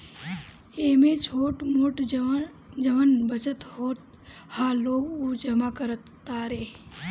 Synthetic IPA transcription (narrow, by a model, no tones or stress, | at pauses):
eːmẽt͡ʃʰoːʈmoːʈ | d͡ʒəʋənbət͡ʃət̪hoːt̪̚ | haːloːɡud͡ʒəmakəɾət̪ː | aːɾeː